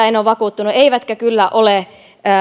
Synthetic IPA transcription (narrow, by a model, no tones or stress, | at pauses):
æenoːʋʋɑkuːt̪ːunueiʋæt̪køkylːæʔole | əː